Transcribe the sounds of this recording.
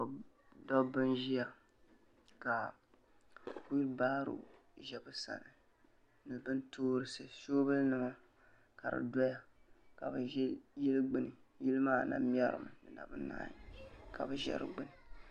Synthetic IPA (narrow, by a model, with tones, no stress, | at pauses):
o˨ | dɔ˦bɨ˦nʒi˦ja˨ | ka˨ | ku˦lbaː˦ɾṵ˨ | ʒɛ˨bɨ˦sa̰˨nɨ˨ | nɨ˨bɨ˦ntʰoː˦ɾɨ˦sɨ˨ʃoː˦bɨ˦lnɨ˨ma˦ | ka˨ɾɨ̰˨dɔ˦ja˦ka˨bɨ˨˦jɛ˦lɨ˦ɡ͡bɨ˦nɨ˨ji˦lɨ˦maː˦˨na̰˨m˦ɛ˦ɾɨ̰˨m˨nɨ˨na̰˨bɨ˦na̰ː˦ɲi˨ka˨bɨ˨ʒɛ̰˦ɾɨ̰˨ɡ͡bɨ˦nɨ˨